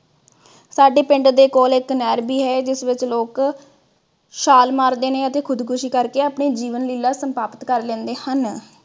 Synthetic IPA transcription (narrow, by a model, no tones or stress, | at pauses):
saːɖeːpɪɳɖd̪eːkoːlɪknɛːɾbiːɦɛːd͡ʒɪsʋɪt͡ʃloːk | ʃaːlmaːɾd̪eːneːət̪eːkʰʊd̪kʰʊʃiːkəɾkeːaːpɳeːd͡ʒiːʋənliːlːaːsəmpaːpət̪kəɾlɛ̃ːnd̪eːhən